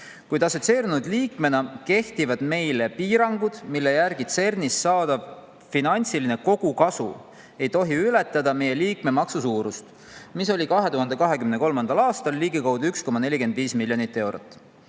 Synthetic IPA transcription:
kujd̪̥ɑso̞t̪se̞ːɾinud̪̥liːkme̞nɑke̞ht̪ivɑd̪̥me̞jle̞piːɾɑŋɡ̥ud̪̥milːe̞jærɡ̥it̪se̞rnisːɑːd̪̥ɑv | finɑnʲt̪siline̞ko̞ɡ̥ukɑsṵ | e̞jt̪o̞ɦiylet̪ˑːɑd̪̥ɑme̞je̞liːkme̞mɑksusuːɾust̪ | miso̞lʲikɑɦe̞t̪uɦɑnd̪̥e̞kɑɦe̞kymne̞ko̞lmɑnd̪̥ɑlɑːst̪ɑlːiːɡikɑwd̪uyksko̞mɑne̞lʲike̞nd̪viːsmilʲːjo̞nit̪ːˑe̞wɾot̪ːˑ

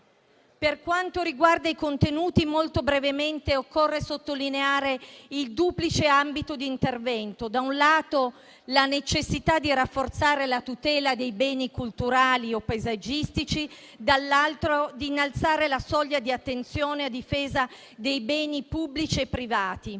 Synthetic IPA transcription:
perkwant̪oɾiɡward̪aikont̪enuːt̪imolt̪obɾevement̪eokːorːesot̪ːolineaːɾeild̪uːplit͡ʃeambit̪od̪iːnt̪ervɛnt̪od̪aunlaːt̪o | lanet͡ʃesːit̪ad̪ːirafːort̪saːɾelat̪ut̪ɛːlad̪ejbɛːnikult̪uɾaːliopːaezad͡ʒist̪it͡ʃi | d̪alːalt̪ɾod̪iːnːalt̪saːɾelasɔʎːad̪iat̪ːent̪sjoːnead̪ifeːza | d̪ejbɛːnipubːlit͡ʃiepːɾivaːt̪i

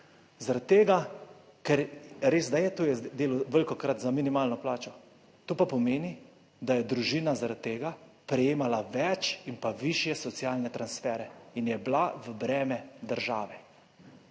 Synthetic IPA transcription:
zaɾat̪̚t̪ːeːɡa | kɛɾɾeːsd̪ajɛt̪oːjɛd̪eːluʋəlkɔkɾat̪zaminimaːlnɔplaːt͡ʃɔ | t̪oːpapɔmeːni | d̪ajɛd̪ɾuʒiːnazaɾat̪̚t̪ːeːɡa | pɾɛjeːmalaʋɛt͡ʃinpaʋiʃjɛsɔt̪sijaːlnɛt̪ɾansfɛːɾɛinjɛblaʋəbɾɛːmɛd̪əɾʒaːʋɛ

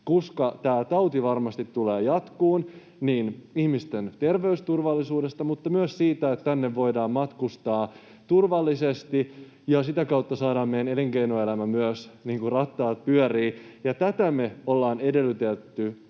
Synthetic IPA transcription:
kuskɑt̪æːt̪ɑwt̪iʋɑrmɑst̪it̪ːuleːjɑt̪kuːn | niːnihmist̪ent̪e̞rʋe̞yst̪urʋɑlːisuːdest̪ɑmut̪ːɑmyøssiːt̪æet̪t̪ænːeʋːo̞jdɑːmmɑt̪kust̪ɑː | t̪urʋɑlːisest̪i | jɑsit̪ækɑut̪ːɑsɑːɾɑːmmejæneleŋkeinoelæmæmyøsniːŋkurɑt̪ːɑːt̪̚pyœriːjɑt̪æt̪æmeolːɑːnede̞lːyt̪et̪ːy

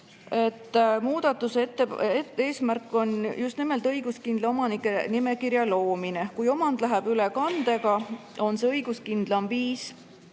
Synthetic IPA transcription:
e̞t̪ːmuːd̪̥ɑt̪ːˑust̪ːeee̞ːsmærkːˑo̞njust̪nime̞lt̪ˑɤjɡ̥uskind̪leo̞mɑnikːˑe̞nime̞kiɾjɑlo̞ːminekujo̞mɑnd̪̥læɦæb̥ylekɑnd̪e̞ɡɑo̞nseɤjɡ̥uskind̪̥lɑmviːs

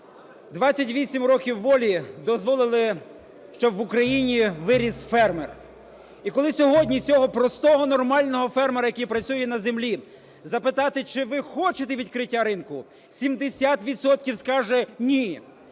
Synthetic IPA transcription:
d̪ʋɑt͡sʲːɐtʲʋʲisʲimɾɔkʲiwːɔlʲid̪ɔzʋɔlˠɪlˠɪ | ʃt͡ʃɔbʋʊkɾɐjinʲiʋɪɾʲisfɛrmer | ikɔlˠɪsʲɔɦɔdʲnʲit͡sʲɔɦɔpɾɔst̪ɔɦɔnɔrmɑlʲnɔɦɔfɛrmeɾɐjɐkijpɾɐt͡sʲsʲujɛnɐzemlʲi | zɐpɪt̪ɑt̪ɪt͡ʃɪʋɪxɔt͡ʃet̪eʋʲid̪kɾɪtʲːaɾɪnkʊ | sʲimd̪esʲat̪ʋʲid̪sɔt̪kʲiwskɑʒɛnʲi

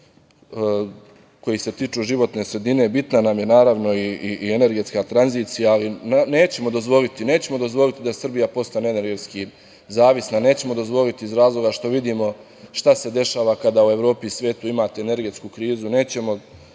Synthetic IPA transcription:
ko̞jise̞t̪iːt͡ʂuʒiʋo̞t̪ne̞ːsɾe̞d̪ine̞bit̪nanamje̞naːɾaːʋno̞iiʔiene̞ɾɡe̞t̪skat̪ɾanziːt̪sijaːlinne̞ːt͡ɕe̞mo̞d̪o̞zʋo̞lit̪ine̞ːt͡ɕe̞mo̞d̪o̞zʋo̞lit̪id̪asr̩bijapo̞st̪aneneɾɡet̪ski | zaːʋisnaneːt͡ɕe̞mo̞d̪o̞zʋo̞lit̪iizɾaːzlˠo̞ɡaʃt̪o̞ʋid̪iːmo̞ | ʃt̪ase̞d̪e̞ʃaːʋakad̪aːue̞ʋɾo̞ːpisʋʲje̞ːt̪uimaːt̪eene̞ɾɡe̞t̪skukɾiːzune̞ːt͡ɕe̞mo̞

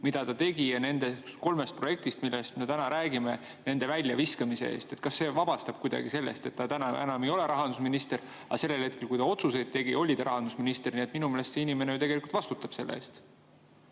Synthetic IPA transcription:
mid̪̥ɑt̪ɑt̪e̞ɡ̥ijɑne̞nd̪e̞t̪ko̞lme̞st̪̚pro̞jek̚t̪ist̪milːest̪me̞t̪ænɑɾʔæːɡime̞ | ne̞nd̪̥e̞vælʲːjɑviskɑmise̞̰e̞̰ːst̪et̪kɑsːe̞ːvɑb̥ɑst̪ɑb̥̚kujd̪ɑ̰ɡ̥ise̞lːe̞̰st̪e̞t̪ːɑt̪ænɑænɑmejo̞le̞ɾɑɦɑnd̪̥us̬minist̪e̞ɾ | ɑ̰se̞lːe̞lhe̞t̪̚ke̞lkujt̪ɑo̞t̪suse̞jd̪̚t̪e̞ɡ̥io̞lʲid̪ɑɾɑɦɑnd̪usminist̪e̞rnʲie̞t̪ːminumelest̪seinime̞nejut̪e̞ɡelikult̪vɑst̪ut̪ːˑɑb̥se̞lːḛḛːst̪

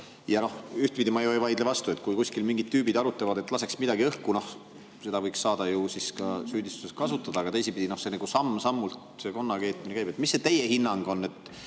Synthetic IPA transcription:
jɑno̞hyht̪̚pid̪imɑejoejvɑjd̪levɑst̪ue̞t̪ˑkujkusʲkilmiŋɡid̪̥̚t̪ːyːbid̪ɑɾut̪ːˑevɑd̪e̞t̪ːˑlɑse̞ksmid̪ɑɡiɤhkuno̞h | se̞d̪ɑvɤjksːɑːd̪̥ɑjusiskɑsyːd̪ist̪u̥sest̪kɑsut̪ːˑɑd̪̥ɑːɡ̥ɑt̪e̞jsipid̥̪ino̞hseniɡ̥usɑmsɑmːult̪se̞ko̞nːɑke̞ːt̪ːˑminekæjb̥et̪ˑmisːe̞t̪e̞jehinːɑŋɡ̥o̞nːe̞t̪ːˑ

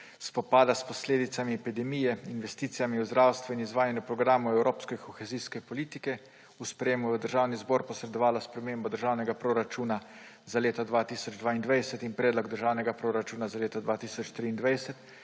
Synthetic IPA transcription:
spɔpaːd̪aspɔsleːd̪it̪samiɛpid̪ɛmijɛinʋɛst̪iːt̪sijamiuzd̪ɾawst̪ʋɛinizʋaːjɛnjɔpɾɔɡɾaːmuɛwɾʔoːpskɛkʰɔxeziskɛpɔliːt̪ikɛ | uspɾɛjeːmuvəd̪əɾʒawnizbɔːɾpɔsɾɛd̪ɔʋaːlaspɾɛmeːmbɔd̪əɾʒaːwnɛɡapɾoɾat͡ʃuːna | zaleːt̪ɔd̪ʋaːt̪iːsɔd͡ʒd̪ʋaːind̪ʋajsɛt̪inpɾɛːd̪lɔɡd̪əɾʒaːwnɛɡapɾoɾat͡ʃuːnazaleːt̪ɔd̪ʋaːt̪iːsɔt͡ʃt̪ɾiːnd̪ʋajsɛt̪

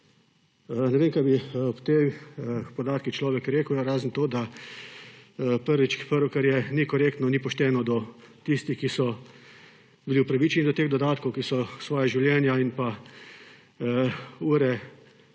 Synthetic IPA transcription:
nɛʋeːmkajbiɔpt̪e | pɔd̪aːt̪kixt͡ʃlɔːʋɛkɾeːkəʊjaɾaːzənt̪oːd̪a | pəɾʋit͡ʃpəɾʋɔkɛɾjɛnikɔɾeːkt̪nɔnipɔʃt̪ɛːnɔd̪ɔ | t̪ist̪ixkisɔ | biliwpɾaʋiːt͡ʃɛnid̪ɔt̪eːɣd̪ɔd̪aːt̪kɔwkisɔsʋɔːjaʒiwljɛːnjainpa | uːɾɛ

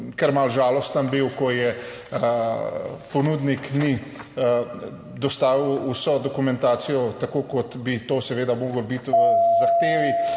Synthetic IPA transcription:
kəɾmalʒaːlɔst̪ənbiwkɔjɛ | pɔnud̪nikni | d̪ɔst̪aːʋiwusɔd̪ɔkumɛnt̪aːsijɔt̪akoːkɔt̪bit̪oːsɛʋeːd̪amoːɡəlbit̪ʋəzaxt̪eːʋi

